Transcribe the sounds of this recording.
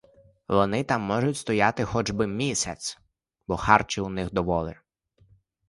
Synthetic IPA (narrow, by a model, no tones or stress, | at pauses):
ʋɔnɪt̪ɑmːɔʒʊtʲst̪ɔjɑt̪ɪxɔd͡ʒbɪmʲisʲɐt̪s | bɔxɑrt͡ʃɪʊnɪxd̪ɔʋɔlˠɪ̰